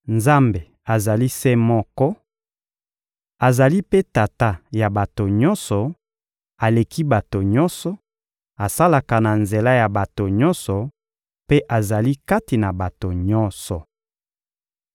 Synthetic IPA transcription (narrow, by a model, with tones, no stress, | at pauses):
nza˦mbe˨ | a˨za˨li˦se˦mɔ˦kɔ˦ | a˨za˨li˦pe˦ta˨ta˦ja˨ba˨to˨ɲɔ˦nsɔ˨ | a˨le˨ki˦ba˨to˨ɲɔ˦nsɔ˨ | a˨sa˦la˨ka˨na˨nze˨la˦ja˨ba˨to˨ɲɔ˦nsɔ˨ | pe˦ʔa˨za˨li˦ka˦ti˨na˨ba˨to˨ɲɔ˦nsɔ˨